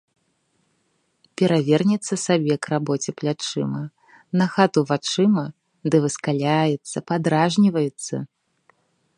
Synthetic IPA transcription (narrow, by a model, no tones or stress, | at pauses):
pʲɛɾavʲɛrnʲɛt̪sːɐsabʲɛkrabɔt͡sʲɛplʲat͡ʂɨmɐ | nɐxat̪uvat͡ʂɨmɐ | d̪ɨvɨskalʲajɛt̪sːɐpad̪ɾaʐnʲivɐjɛt̪sːɐ̰